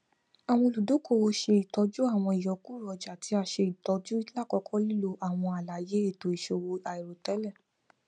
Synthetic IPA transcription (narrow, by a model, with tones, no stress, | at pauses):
a˨w̃ɔ̃˧lu˨do˨˦ko˦˨wo˧ʃe˧i˨tɔ˧˦d͡ʒu˦a˦˨w̃ɔ̃˧i˨jɔ˨ku˦˨ɾɔ˧d͡ʒa˨tʰi˨˦a˧ʃe˧i˨tɔ˧˦d͡ʒu˦i˦la˦˨kɔ˧˦kʰɔ˦li˦lo˧ʔa˦˨w̃ɔ̃˧a˨la˨je˨˦e˦˨to˨i˨ʃo˧wo˧a˨i˨ɾo˨tɛ˨˦lɛ˦˨